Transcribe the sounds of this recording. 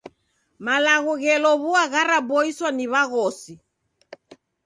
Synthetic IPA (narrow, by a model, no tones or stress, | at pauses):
malaɣɔɣɛlɔβuaɣaɾabɔiswaniβaɣɔsi